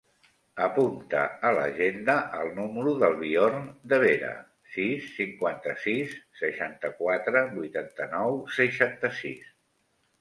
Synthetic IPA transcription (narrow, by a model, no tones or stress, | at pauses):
əpunt̪ə̰ələ̰ʒend̪əʔəlˠnuməɾuðəlˠβiɔrnd̪əβeɾə̰ | sisːiŋkwant̪əsisːəʃant̪əkwat̪ɾəbujt̪ant̪ənɔwsəʃant̪əsḭs